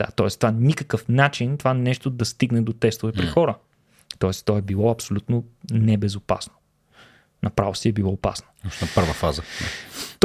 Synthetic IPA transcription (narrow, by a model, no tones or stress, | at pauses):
d̪̥a̰t̪ɔɛst̪ovanikəkəfnat͡ʃint̪ovanɛʃt̪od̪ɐst̪iɡnɛd̪ot̪ɛst̪ʊvɛpɾixɔɾə | t̪ɔɛst̪ɔɛbilˠɔɐpsolʲut̪nonɛbɛzopa̰sno̥ | nɐpɾavosiɛbilˠɔːpa̰sno̥ɔʃnɐpɤɾvəfazə̰ | t̪